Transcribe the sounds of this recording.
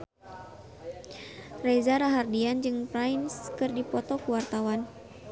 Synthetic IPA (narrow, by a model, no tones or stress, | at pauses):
rezaɾaɦardiand͡ʒɨŋpɾainskɨrdipɔt̪ɔkuwart̪awan